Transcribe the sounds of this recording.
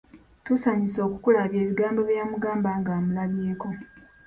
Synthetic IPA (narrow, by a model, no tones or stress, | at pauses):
tusaɲiso̞ːkukulaβje̞ːβiɡaːmbo̞βjaːmuɡaːmbaːŋɡaːmulaβje̞ːko̞